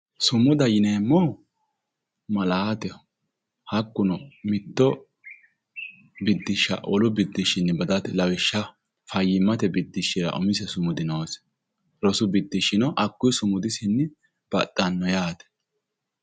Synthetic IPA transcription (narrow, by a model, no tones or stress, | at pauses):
sʊmʊd̪ɐjɪneːmːɔ | mɐlat̪ɛ | hɐkːʊnɔmɪt̪ːɔ | bɪd̪ːɪʃːɐ̰ʔɔlʊbɪd̪ːɪʃɪnːɪbɐd̪ɐt̪ɛlɐwɪʃːɐ | fɐjːɪmːɐt̪ɛbɪd̪ːɪʃːɪɾɐ̰ʔʊ̰mɪsɛsʊmʊd̪ɪnoːs | ɾɔsʊbɪd̪ːɪʃɪnɔʔɐkːʊjsʊmʊd̪ɪsɪnːɪ | b̥ɐt̪ʼːɐnːɔjaːt̪ɛ̥